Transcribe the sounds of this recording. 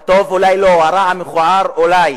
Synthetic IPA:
t̪ovulajloaɾaameχuaɾolaj

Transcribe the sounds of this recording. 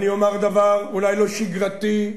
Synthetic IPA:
niomeʁd̪avaʁulajlo̞ʃiɡʁat̪i

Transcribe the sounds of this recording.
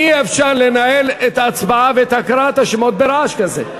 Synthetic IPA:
iɐfʃaːnlenaelɪt̪ɐt͡sbaʕavet̪ɐkɾaːt̪ɐʃɪmot̪̚beɾaːʃkɐzḛ

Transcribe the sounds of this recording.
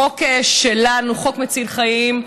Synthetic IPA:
okeʃelanuχo̞kmet͡silχajim

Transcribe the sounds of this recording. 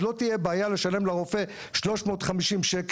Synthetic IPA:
lo̞tijebaːjale̞ʃale̞mlaʁo̞fe̞ | ʃlo̞ʃmo̞ːt̪χamiʃimʃek

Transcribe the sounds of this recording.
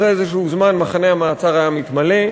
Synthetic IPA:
eezeʃuuzmanmaχaneamaːt͡saʁaamit̪male̞

